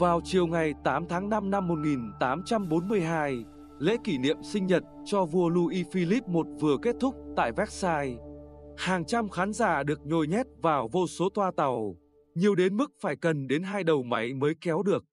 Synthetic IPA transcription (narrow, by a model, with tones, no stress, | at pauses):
vaː˨˩wt͡ɕi˨˩əwŋa˨˩jt̪aː˨˦mt̪ʰaː˨˦ŋna˧mna˧mːo˨˩t̚ŋi˨˩nt̪aː˨˦mt͡ɕa˧mɓo˨˦nmɨ˧əjɦaː˧j | lḛ˧˥ki˧˩nḭ˧˨əmsï˧ŋ̟ɲə˨˩t̚t͡ɕɔ˧vu˧əlu˧ʔi˧fi˧li˦˥p̚mo˨˩t̚vɨ˨˩əke˦˥t̚t̪ʰʊ˦˥k͡p̚t̪a̰ː˧˨jvɛ˦˥t̚saː˧j | haː˨˩ŋt͡ɕa˧mxaː˨˦nzaː˧˩ɗɨ˨˩ək̚ɲo˨˩jɲɛ˦˥t̚vaː˨˩wvo˧so˨˦t̪waː˧t̪a˨˩w | ɲi˨˩əwɗe˨˦nmɨ˦˥k̚faː˧˩jkə˨˩nɗe˨˦nɦaː˧jɗə˨˩wma˨˦jməː˨˦jkɛ˨˦wɗɨ˨˩ək̚